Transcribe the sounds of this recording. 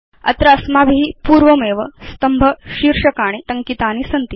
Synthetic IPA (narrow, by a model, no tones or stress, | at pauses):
ɐ̰t̪ɾɐɐsmabiɦiːpuːɾʋəmeʋəst̪əmbʱəɕiɾʂəkaːɽ̃iʈ̪əŋkit̪anisənt̪i